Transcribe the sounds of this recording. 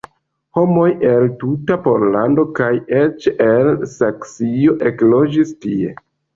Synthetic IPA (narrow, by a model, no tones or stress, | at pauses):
ho̞mo̞je̞ltutapo̞ɾlando̞kaje̞t͡ʃelsaksio̞ʔe̞klo̞d͡ʒistie̞̰